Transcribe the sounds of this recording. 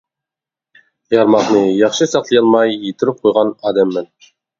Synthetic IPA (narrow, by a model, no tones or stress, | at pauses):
jɑɾmɑχnɨjɑχʃɨsɑqt̪ˠɨjɑlˠmɑjːit̪ʰɾyp̚qʰojʁɑnɑːd̪ɛmːɪn